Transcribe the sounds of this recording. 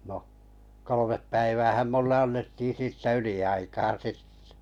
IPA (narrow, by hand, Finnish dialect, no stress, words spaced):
no kolomep pæiʋæːhæm mulːe ɑnːetːiː siːtːæ yliɑikɑː sitːe̥